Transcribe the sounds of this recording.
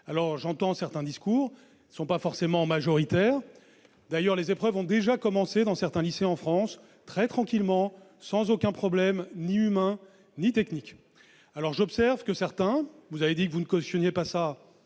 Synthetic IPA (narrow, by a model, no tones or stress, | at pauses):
alɔʁʒɑ̃t̪ɑ̃sɛʁt̪ɛ̃d̪iskuːʁ | sɔ̃pafɔʁsemɑ̃maʒɔʁit̪ɛːʁ | d̪ajœʁlezepχœvɔ̃d̪eʒakɔmɑ̃sed̪ɑ̃sɛʁt̪ɛ̃liseɑ̃fχɑ̃s | t̪χɛt̪χɑ̃kʲilmɑ̃ | sɑ̃zokʲɛ̃pχɔblɛmniymɛ̃ | nit̪ɛknikʲ | alɔʁʒɔpsɛʁvkəsɛʁt̪ɛ̃vuzaved̪ikəvunəkɔst̪jɔnjepasa